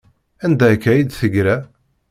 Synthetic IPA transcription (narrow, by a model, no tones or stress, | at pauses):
ænd̪ækːæjid̪θəɡɾæ